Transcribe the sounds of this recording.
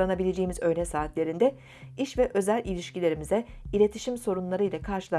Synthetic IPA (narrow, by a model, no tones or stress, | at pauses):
anabilʲe̞d͡ʒeːimizø̞jnɛsaːt̪lʲe̞ɾind̪ɛ | iʃvɛʔø̞zælʲilʲiʃcilʲe̞ɾimizɛilʲe̞t̪ʰiʃimso̞ɾunlˠaɾɯjlˠakʰaɾʃɯlˠa